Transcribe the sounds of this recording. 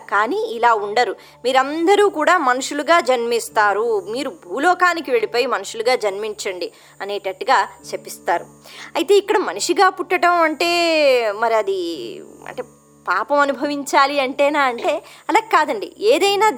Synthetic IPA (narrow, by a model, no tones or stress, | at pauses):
kaːniːlaːuɳɖɐɾu | miːɾɐnd̪ɐɾuːkuːɽaːmɐnuʂuluɡaːd͡ʒɐnmist̪aːɾumiːɾubʱuːlɔːkaːnikiʋe̞ɭipoːjimɐnuʂuluɡaːd͡ʒɐnmiɲt͡ʃɐɳɖi | ɐneːʈɐʈːɡaːt͡ʃepːist̪aːɾu | ɐjit̪e̞ːikːɐɽɐmɐnuʂiɡaːpuʈːɐʈɐmɐɳʈe̞ːmɐɾiɐd̪iɐ̰ɳʈeː | paːpɐmɐnubʱɐʋiɲt͡ʃaːliɐɳʈɛːnaːɐɳʈe̞ːɐlaːɡekaːd̪ɐɳɖḭeːd̪ɐjnaː